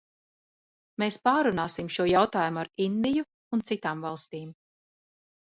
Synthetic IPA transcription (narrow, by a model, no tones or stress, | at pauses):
meːspaːɾunaːsimʃuɔjawt̪aːjumuaɾind̪iju | unt̪sit̪aːmvɑlˠst̪iːm